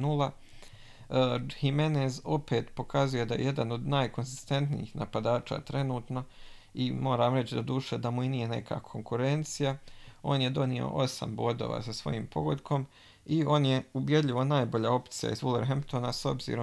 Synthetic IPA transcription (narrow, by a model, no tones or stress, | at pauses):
nulˠa | himeneːzo̞pe̞ːt̪po̞kʰazuje̞d̪aje̞̰je̞d̪ano̞d̪naːjko̞nzist̪e̞nt̪nḭḭxnapad̪aːt͡ʃa̰ːt̪ɾe̞nuːt̪no̞ | imo̞ːɾaːmɾe̞t͡ɕid̪od̪uːʃed̪amuinije̞ne̞kʰa̰ːkʰo̞ŋkuɾe̞nt̪sijao̞ːnje̞d̪o̞nio̰ʔo̞sa̰mbod̪o̞̰ːʋa̰ːsasʋo̞̰jiːmpʰo̞̰ɡod̪kʰo̞m | io̞ːnje̞ubje̞d̪ʎʲiʋonaːjbo̞ʎao̞pt̪sija̰izulˠeɾɦempt̪onaso̞bzḭːɾo